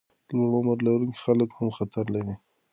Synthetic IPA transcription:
loɽmaɾlaɾuŋki̥xaləkhamxat̪aɾlawi

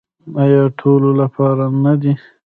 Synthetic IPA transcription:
ajɑʈʰololapʰɑɾanad̪i

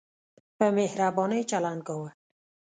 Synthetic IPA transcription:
pəmehɾabɔnejt͡ʃaland̪̚ɡɔwa

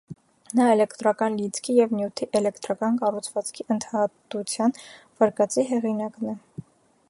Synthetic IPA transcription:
nɑɛlɛkʰt̪ɾɑkɑnlit͡sʰkʰijɛvnjut̪ʰiʔɛlɛkʰt̪ɾɑkɑnkɑrut͡sʰvɑt͡skʰiʔənt̪ʰɑt̪ut͡sʰjɑn | vɑɾkɑt͡siɦɛʁinɑknɛ

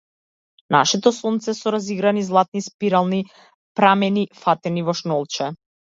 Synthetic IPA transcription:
na̰ʃɛt̪ɔsunt̪sɛsɔɾaziɡɾanizlˠat̪̚nispiɾalˠni | pɾamɛnifat̪ɛnivɔʃnɔlˠt͡ʃɛ

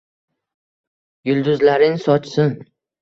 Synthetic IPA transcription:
jʊlˠd̪ʊzlaɾɪŋsɒt͡ʃʰsɪn

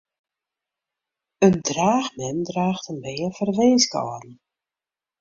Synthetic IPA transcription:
əndraːxmɛndraːxtənbejəfərvejnska̰wa̰tn̩

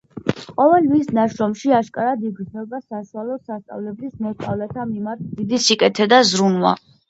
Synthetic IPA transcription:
qʼɔvɛlmisnaʃɾɔmʃiaʃkʼaɾad̪iɡɾznɔbasaʃualɔsast̪sʼa̰vlɛblismɔst̪ʼavlɛt̪ʰamimaɾt̪̚ʰd̪id̪isikʼɛt̪ʰɛd̪azɾunwa̰

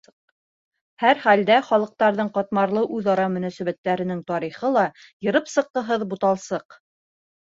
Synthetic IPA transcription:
hæɾχæld̪æχɒlˠɤ̆q̚t̪ɑɾðɤɴqɒt̪mɑɾlˠɤʔʉðɑɾɑmɵ̆næsæβæt̪ːæɾɘ̆nɘŋt̪ɒɾiχɤlˠɑjɤ̆ɾɤpsɤ̆q̚t̪ɤ̆ɦɤðbut̪ɑlˠsɤq

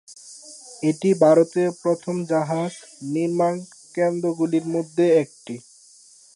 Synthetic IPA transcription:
eʈibʱaɾot̪epɾot̪ʰomd͡ʑaɦad͡ʑniɾman | kend̪ɾoɡuliɾmod̪ʱːeɛk̚ʈi

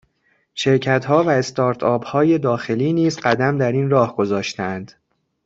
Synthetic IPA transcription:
ʃe̞ɾcʰæt̪ʰhɒːvæe̞st̪ɒːɾt̪ʰɒːbhɒːje̞d̪ɒːxe̞liːniːzɢæd̪æmd̪æɾiːnrɒːhɡ̥o̞zɒːʃt̪eænd̪̥

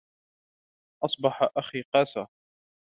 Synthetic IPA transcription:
ʔɑsˤbɑħaʔaxiːqɑːsa

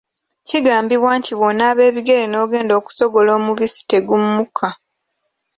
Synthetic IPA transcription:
ciɡaːmbiβwaːntiβo̞nːaːβe̞ːβiɡe̞ɾeno̞ːɡe̞ːndoːku̥so̞ɡo̞lo̞ːmuβisi̥te̞ɡumːukʰa

